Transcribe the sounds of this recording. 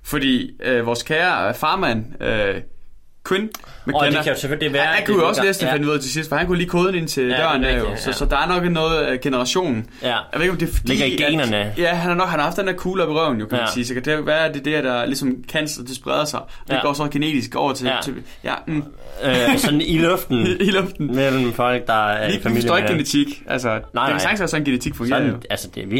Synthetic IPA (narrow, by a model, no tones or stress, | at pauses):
fɒ̽d̥ḭːøʋɒːskʰæːɐfɑ̈ːmæn̰ø | kʰwenmekʰæjoseføliʋæhænkʰujoɒ̽slesd̥əfenəuð̰ˠt͡sʰe̝sisd̥fɒ̽hænkʰujoliːkʰo̝ːð̞ˠn̩e̝nt͡sʰe̝lb̥ɶ̰ɐnd̥æɐjo̝sɒsɒ̽d̥ɑ̈æɐnɒ̽ɡ̥nɔ̽ːð̩ˠɡ̥e̝nəʁɑ̈ɕo̝̰ːnn̩ | jeðˠeɡɒmd̥e̝fɒ̥d̥eḭɡɐiɡnɐnəjæɦænhɑ̈nɒ̽ɡ̥hænhɑ̈hɑfd̥end̥eɐɐkʰuːlɒb̥eʁɶɐʊn̩jo̝kʰæmænsiːsɒ̽kʰæd̥eɡʋæːɐd̥e̝d̥æɐd̥ɑ̈lisɒ̽mkʰæn̰st͡sʰe̝sb̥ʁɛð̞ˠɐsɑ̈ɪ | ɒd̥eɡɒ̰ːsɒ̽ɡ̥ene̝̰ːd̥isɡ̥ɒ̰ʊɐt͡sʰet͡sʰe̝ | jʔæ̰m̩ | sɒnilɔfd̥n̩ilɔfd̥n̩mel̰m̩fɒl̰ɡ̥̚d̥ɑ̈æɐiifæmisɔ̰ːeɡɡ̥enet͡sʰiɡ̥ʔælsədeæsɑ̈ɡ̥nsæsɒnenɡ̥enet͡sʰiɡ̥fɔ̽ŋɡ̥eɐ̰joælsəd̥eʋi